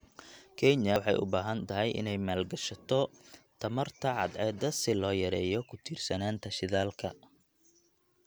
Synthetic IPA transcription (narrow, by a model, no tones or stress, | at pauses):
kʰɛnjɐwħɑjʊ̰baːɦɐnt̪ʰɐɦɛjʔɪ̰nɛjmaːlɡɐʃɐt̪ʰɔt̪ʰɐmɐrt̪ʰɐʕɑd̪ʕɛːd̪ɐsɪlɔːjɐɾɛːjɔkʰʊt̪ʰiːrsɐnaːnt̪ʰɐʃɪðaːlkʰɐ